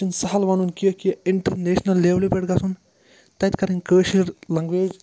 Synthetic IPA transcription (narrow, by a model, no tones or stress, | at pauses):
insɐɦɐlʋɐːnunkijokijɐɪɳʈɐɾneːʃnɐlːeːʋlipeʈɡɐsun | t̪ɐt̪kɐɾinkəːʃliɾlɐŋɡʋweːd͡ʒ